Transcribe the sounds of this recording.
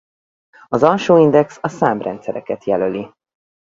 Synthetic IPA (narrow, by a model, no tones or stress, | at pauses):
ɒzɒlʃoːind̪ɛksɒsaːmbrɛ̰nt̪sɛɾɛkɛt̪jɛløli